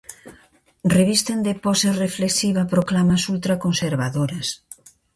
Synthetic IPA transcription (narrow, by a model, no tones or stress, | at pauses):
reβist̪end̪epɔsarefleksiβɐpɾoklamasult̪ɾakonseɾβaðoɾas